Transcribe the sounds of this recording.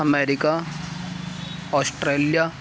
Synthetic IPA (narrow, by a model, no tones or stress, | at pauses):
ɐmeːɾɪka | ɔːsʈɾeːlija